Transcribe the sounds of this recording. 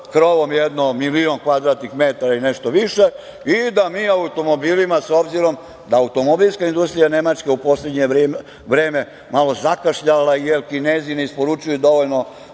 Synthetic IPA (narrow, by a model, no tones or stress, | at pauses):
kɾoʋomjed̪nomilionkʋad̪ɾaːt̪nixmet̪aɾaineʃt̪oʋiʃe̞ | id̪amiːaut̪omobiːlimaso̞bziɾo̞m | d̪aːut̪o̞mobilskaind̪ust̪ɾijane̞mat͡ʃkeupo̞sled̪ɲe | ʋɾe̞ːme̞ | malo̞zakaʃʎalaijelkineːzineispo̞ɾut͡ʃujud̪o̞ʋoʎno